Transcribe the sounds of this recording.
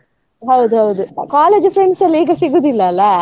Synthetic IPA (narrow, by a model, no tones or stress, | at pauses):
ɦɐwd̪uɦɐwd̪ukaːleːd͡ʒfɾeɳɖsɐlːiːɡɐsiɡuːd̪ilːɐːlːɐ